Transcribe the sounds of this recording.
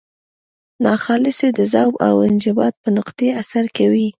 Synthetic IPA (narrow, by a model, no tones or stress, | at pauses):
nɑxɑlɪsed̪əzawba̰wɪnd͡ʒɪbɑt̪̚pənʊqd̪easaɾkawi